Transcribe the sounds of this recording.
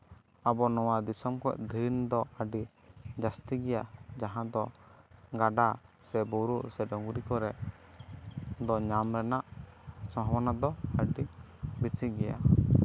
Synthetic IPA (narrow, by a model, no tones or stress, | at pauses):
abɔnɔwad̪isɔmkɔɛ̰ʔd̪ʱind̪ɔəɖi | d͡ʒast̪iɡɛjad͡ʒaɦãd̪ɔ | ɡaɖasɛbuɾuʔsɛdɔŋɡuɾikɔɾɛ | d̪ɔɲamɾɛnaʔsɔ̃ɦɔwanad̪ɔəɖi | bisiɡɛja